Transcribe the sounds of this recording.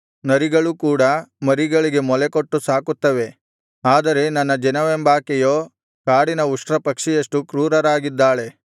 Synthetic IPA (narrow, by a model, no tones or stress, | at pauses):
nɐɾiɡɐɭukuːɽɐmɐɾiɡɐɭiɡe̞mɔlekoʈːusaːkut̪ːɐʋe̞ | aːd̪ɐɾe̞nɐnːɐd͡ʒɛnɐʋembaːkɛjoː | kaːɽinɐuʂʈɾɐpɐkʂijɐʂʈukɾuːɾɐɾaːɡid̪ːaːɭe̞